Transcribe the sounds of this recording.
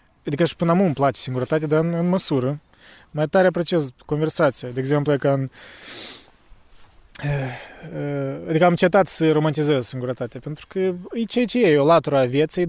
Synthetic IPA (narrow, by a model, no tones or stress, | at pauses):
ad̪ikəʃi̥pɨnamumplat͡ʃe̥siŋɡuɾət̪at̪ead̪aɨnɨnməsuɾə | majt̪aɾeapɾot͡ʃesko̞nve̞rsat̪sijad̪eɡzemplujekaɨn | əəad̪ikəamt͡ʃet̪at̪səɾo̞mant̪izezsiŋɡuɾət̪at̪eapent̪ɾu̥kəɨjt͡ʃejat͡ʃejeolat̪uɾaːvjet̪sej